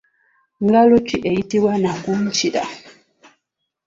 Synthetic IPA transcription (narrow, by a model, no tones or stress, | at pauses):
ŋɡalot͡ʃiʔejitiwanakuɲ̩t͡ʃiɾa̰